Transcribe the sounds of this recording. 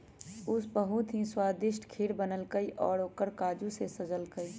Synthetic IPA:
ʊsbəɦũt̪ʰĩswaːd̪ɪʃʈkʰiːɽbənəlkəiʔɔːɽoːkəɾkaːd͡ʒũsesɐzəlkəiː

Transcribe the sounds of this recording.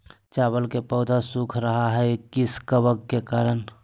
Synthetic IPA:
t͡ʃaːbəlkepəʊd̪ʱasukʰɾəɦaɦɛkɪskəbəɡkekaːɾən

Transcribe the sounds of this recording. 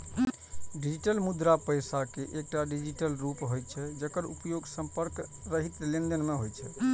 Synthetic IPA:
ɖid͡ʒiʈəlmud̪ɾapəjsakeʔek̚ʈaɖid͡ʒiʈəlɾupɦojt͡ʃʰɛd͡ʒəkəɾṵpəjoɡsəmpəɾkɾəɦit̪lĩnd̪ənmeɦojt͡ʃʰɛ̰

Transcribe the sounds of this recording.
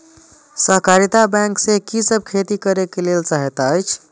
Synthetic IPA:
səɦkaɾit̪abɛ̃ŋksẽkisəb̚kʰet̪ikəɾekelelt͡ʃaɦet̪əjt͡ʃʰ

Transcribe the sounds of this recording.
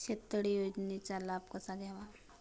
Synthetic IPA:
ɕet̪əɽijod͡ʑnet͡ɕalabkəsaɡaʋa

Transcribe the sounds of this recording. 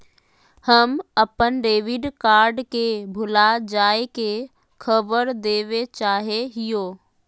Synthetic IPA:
həməpənɾeːʋɪɖkaːɾɖkebʱʊlad͡ʒaːeke | kʰəbəɾd̪eːʋet͡ʃaːɦeɦɪjoː

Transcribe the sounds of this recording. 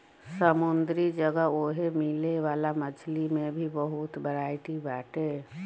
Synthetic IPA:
səmund̪ɾid͡ʒəɡəoɦemileʋalamət͡ʃʰlimebʱibəɦut̪bəɾaɪʈibaʈe

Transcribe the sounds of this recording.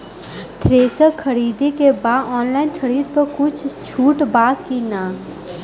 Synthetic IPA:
t̪ʰɾeːsəkʰɐɾiːd̪ekebaːd̪ɔːnlaːɪnkʰɐɾiːd̪̚pɐɾkʊt͡ʃʰt͡ʃʰuːʈbaːkinaː

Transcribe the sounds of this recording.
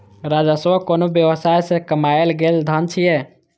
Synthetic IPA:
ɾad͡ʒəsʋəkonobjəwəsajsẽkəmaelɡeld̪ʱənt͡ʃʰijɛ

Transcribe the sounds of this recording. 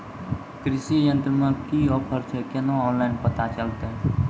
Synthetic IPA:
kɾɪsijə̃nt̪ɾəmə̃kiɔːpʰəɾt͡ʃʰekenõɔːnlaɪnpət̪at͡ʃəlt̪e

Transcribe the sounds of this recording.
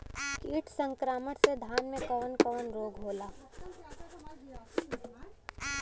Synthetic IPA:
kiːʈsə̃ŋkɾaːməʈsed̪ʱaːnmẽkɔːnkɔːnɾoːɡɦoːlaː

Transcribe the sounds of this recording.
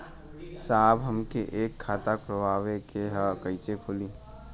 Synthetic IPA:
saːbɦəmkeʔeːkʰːaːt̪akpɾəbʱaːʋekeɦəkəisekʰʊliː

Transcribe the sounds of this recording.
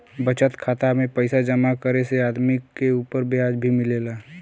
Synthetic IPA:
bət͡ʃət̪kʰaːt̪amẽpəɪsad͡ʒəmakəɾeseaːd̪mɪkːeuːpəɾbjaːd͡ʒbʱimɪleːla

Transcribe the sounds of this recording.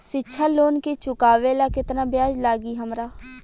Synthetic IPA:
sɪtːʃʰaloːnkit͡ʃʊkaːʋelakɪt̪nabʱjaːd͡ʒlaːɡiɦɐmɾaː

